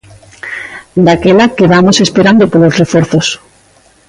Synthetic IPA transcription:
d̪akelakeβamosespeɾand̪opolosrefoɾθos

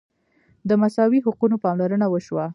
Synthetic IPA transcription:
d̪əmasɑwiɦʊqunopɑmlaɾənawəʃwa

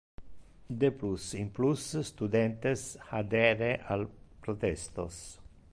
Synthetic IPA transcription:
d̪eplusimplusst̪ud̪ɛnt̪esad̪ɛɾeʔalpɾot̪ɛst̪o̰s

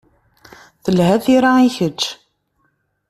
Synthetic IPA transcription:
θəlhæθiɾaiçəd͡ʒː

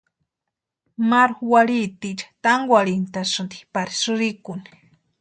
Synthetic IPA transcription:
maɾxwalit̪it͡ʃḁt̪aŋɡwʷalint̪asʊnt̪i̥paɾi̥sʊɾikʊni

